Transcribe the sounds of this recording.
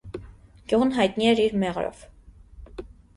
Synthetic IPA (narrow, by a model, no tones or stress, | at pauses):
ɡ̥juʁnɦɑjt̪niɛɾiɾmɛʁɾɔ̰v̥